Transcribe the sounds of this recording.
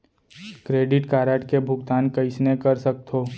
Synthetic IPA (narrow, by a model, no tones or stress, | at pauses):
kɾeːɖɪʈkaːɾəːʈkebʱʊɡt̪aːnkɐɪsnekɐɾsɐk̚t̪ʰoː